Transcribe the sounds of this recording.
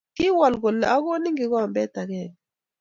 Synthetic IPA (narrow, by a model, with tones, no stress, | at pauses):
ŋi˦wa˨lɡɔ˨lɛ˨a˦k̬o˦ni˦ŋɡi˨k̬wa˦˨mbɛ˦d̥̪a˨kɛː˨ni